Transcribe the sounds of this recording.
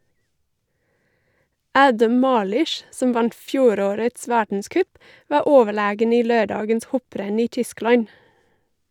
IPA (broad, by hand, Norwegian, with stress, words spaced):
ˈæːdəm ˈmɑːlʏʃ ˈsɔm ˈʋɑnt ˈfjuːˌɾoːɾəts ˈʋæːɖɳ̩ˌskœp ˈʋɑː ˈoːʋəˌɭeːɡən ˈiː ˈløːˌɖɑːɡəns ˈhɔˌpɾɛn ˈiː ˈtʏˌsklɑɲ